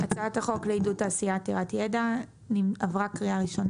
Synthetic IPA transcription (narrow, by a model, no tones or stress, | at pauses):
at͡sataχo̞kleidutaːsiateʁatjeda | niavʁakʁiaʁiʃo̞na